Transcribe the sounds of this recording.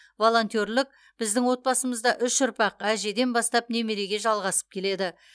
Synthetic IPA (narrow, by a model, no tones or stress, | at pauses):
vo̞lˠo̞nt̪o̞ɾlʲɪk̚ | b̥ɪzd̪ɪŋwo̞t̪̚bɑsəməzd̪ɑʔʏʃʊɾpɑqæʒe̞d̪e̞nbɑst̪ɑp̚ne̞meɾe̞ɡʲe̞ʒɑlˠʁɑsə̥p̚kʲʰe̞le̞d̪ɪ